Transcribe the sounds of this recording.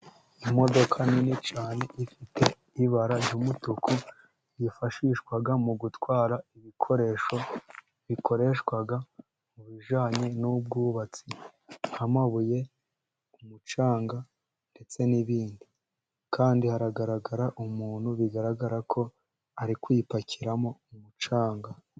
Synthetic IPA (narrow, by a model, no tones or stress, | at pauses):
imo̞do̞kʰaninit͡ʃaːne̞ʔifitʰe̞ | iβaɾajumutuku | jifaʃiʃkwaɡamuɡutwaːɾaiβikʰo̞ɾe̞ʃo̞ | βikʰo̞ɾe̞ʃkwaɡa | muβiʒaːɲe̞nub̚ɡuːβat͡siamaβuje̞ | umut͡ʃaːŋɡa | nde̞t͡se̞niβiːndi | kaːndihaɾaɡaɾaɡaɾaʔumuːn̥huβiɡaɾaɡaɾakʰo̞ | aɾikwipaciɾamo̞umut͡ʃaːŋɡa